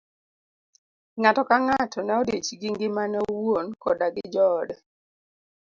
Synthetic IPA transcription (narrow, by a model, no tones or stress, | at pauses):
ŋatɔkaŋatʰɔnɛɔdet͡ʃiɡɪŋɡɪmanɛowwonkɔdaɡɪd͡ʒɔdɛ